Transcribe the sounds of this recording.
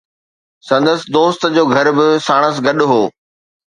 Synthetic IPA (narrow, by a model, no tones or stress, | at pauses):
sɐ̃nd̪əsɪ̆d̪oːst̪d͡ʑoːɡʱɐɾbɪsaːɽ̃əs̬ɡɐɗʊɦoː